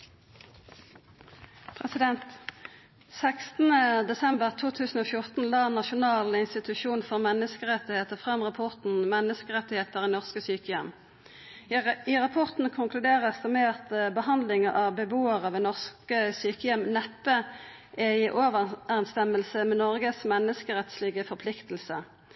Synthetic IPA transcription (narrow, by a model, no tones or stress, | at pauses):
pʰʁɛsɪd̪ɛnt̪ | sækst̪n̩əd̪ɛsɛmbəʁt̪ʰuːt̪ʰʉːsn̩oːfjʊʁt̪n̩lɑːnɑʃʊnɑːlɪnst̪ɪt̪ʉʃuːnfɔʁmɛnəskəʁɛt̪ːɪheːt̪əʁfʁɑmʁɑpʰɔʁt̪n̩mɛnəskəʁɛt̪ːɪheːt̪əʁinɔʁskəsyːkəjɛm | ɪʁɑpʰɔʁt̪n̩kʰʊŋkʰlʉd̪eːʁəsd̪ɛmeːʁt̪bəhɑnd̪lɪŋəʁɑʋbəbuːəʁɑːʋɛnɔʁskəsyːkəjɛmnɛpːə | ʔɛiːʔoːʋəæʁɛnst̪ɛməlsəmɛnɔʁɡəsmɛnːəskəʁɛt̪slɪɡəfɔʁpʰlɪkt̪əl̩sə